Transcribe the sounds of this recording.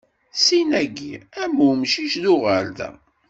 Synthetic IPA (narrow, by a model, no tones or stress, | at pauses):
sinæɡḭæmumʃiʃðʊʁəɾðæ̰